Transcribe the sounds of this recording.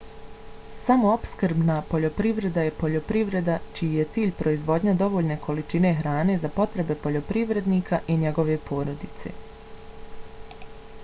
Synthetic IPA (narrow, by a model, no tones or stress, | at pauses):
samo̞opskɾbnapo̞ʎo̞pɾiʋɾe̞d̪aje̞po̞ʎo̞pɾiʋɾe̞d̪at͡ʃijije̞t̪siːʎʲpɾo̞izʋo̞d̪ɲad̪o̞ʋo̞ːʎne̞kʰo̞lit͡ʃine̞ɦɾaːne̞zapo̞t̪ɾe̞be̞po̞ʎo̞pɾiʋɾe̞d̪niːkaʔiɲe̞ɡo̞ʋe̞pʰo̞ːɾo̞d̪it̪se̞̰